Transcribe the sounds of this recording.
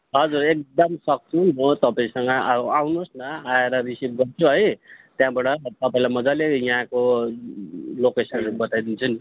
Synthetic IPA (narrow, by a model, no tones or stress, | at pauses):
ɦʌd͡zurek̚d̪ʌmsʌk̚t͡sʰunot̪ʌpaĩsʌŋɡʌaawnusnʌaeɾʌɾisib̚ɡʌrt͡sʰuɦʌjt̪jãbaɽʌt̪ʌpaĩlajmʌd͡zalejʌ̃ɦãko | lokesʌnbʌt̪ajd̪int͡sʰʌni